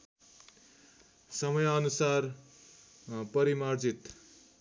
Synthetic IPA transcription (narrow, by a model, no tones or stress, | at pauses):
sʌmʌjʌnusar | pʌɾimard͡zit̪